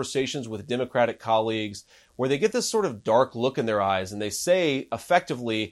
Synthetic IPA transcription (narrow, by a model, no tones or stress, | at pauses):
ə˞seɪʃɨ̃nzwəðdɛmɨkʰɹ̥æɾɨkʰɑlˠiɡz̥ | wə˞ðeɪɡɛt̪̚ðɪsɔɹɾʌvdɑɹklʊkɨ̃nðə˞aɪzɨ̃n̩ðeɪseɪəfɛk̚tɨvli